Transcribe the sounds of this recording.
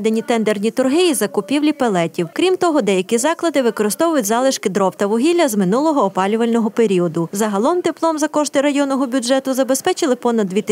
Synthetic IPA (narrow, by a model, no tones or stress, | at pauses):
d̪enʲit̪ɛnd̪ernʲit̪ʊrɦɪjizɐkʊpʲiwlʲipelˠɛtʲiwkɾʲimt̪ɔɦɔd̪ɛjɐkʲizɑklˠɐd̪ɪʋɪkɔɾɪst̪ɔʋʊjʊtʲzɑlˠɪʃkɪd̪ɾɔpt̪ɐʋʊɦʲilʲːɐzmɪnulˠɔɦɔːpɑlʲʊʋɐlʲnɔɦɔpeɾʲiɔd̪ʊzɐɦɐlˠɔmt̪ɪplˠɔmzɐkɔʃt̪ɪɾɐjɔnːɔɦɔbʲud͡ʒɛt̪ʊzɐbespɛt͡ʃɪlˠɪpɔnɐd̪d̪ʲʋʲit̪